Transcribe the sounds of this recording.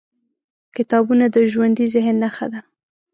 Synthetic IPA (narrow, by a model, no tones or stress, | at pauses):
kɪt̪ɑbunad̪əʒwand̪izɪɦnːaxa̰d̪a